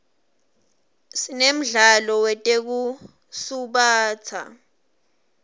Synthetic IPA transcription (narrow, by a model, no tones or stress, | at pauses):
sinem̩ɮalɔwɛtʼek̬u | suɓaːt͡sʰa̰